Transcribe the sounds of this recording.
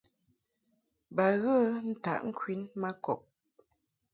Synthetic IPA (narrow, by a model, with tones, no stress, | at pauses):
ba˨ɣə˦n̩˦ta̰˨ʔŋ̩˦kʰwi˦nma˦kɔ̰˨p̚